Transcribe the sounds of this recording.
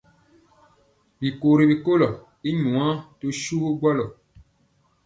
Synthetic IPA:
bi˨ko˨ɾi˨bi˨ko˦lɔ˨ | i˦ɲũ˨ã˦to˦ʃu˦ɡwɔ˦lɔ˨

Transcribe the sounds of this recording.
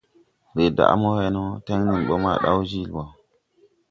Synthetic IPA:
ɾe˨da̰˨ʔmo˦he˦no˦te˦ŋni˨ɓo˦ma̰˦˨ɗa̰˦wd͡ʒi˦lwa˨

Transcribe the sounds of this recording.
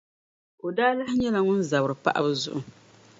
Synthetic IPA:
o˨daː˦la˦hɪ˦ɲɛ˦la˨ŋʊ˦n˦za˨bɨ˨ɾɨ˨pa˦ʔa̰˦bɨ˦zʊ̰˦ʔʊ˨

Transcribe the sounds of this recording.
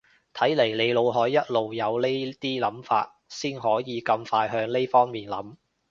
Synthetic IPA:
t̪ʰɐ˨˥jle˨˩jle˨˧jlo˨˧wɦɔː˨˥jːɐ˥t̚lo˨˧wjɐ˨˧wle˥jt̪iː˥lɐ˨˥mfa̰ː˧t̚siː˥nɦɔː˨˥jiː˨˧kɐ˧mfaː˧jɦœː˧ŋle˥jfɔː˥ŋmiː˨nlɐ˨˥m

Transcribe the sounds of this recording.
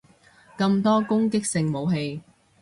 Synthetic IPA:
kɐ˧mt̪ɔː˥kʊ˥ŋkɪ˥k̚sɪ˧ŋmo˨˧wɦe˧j

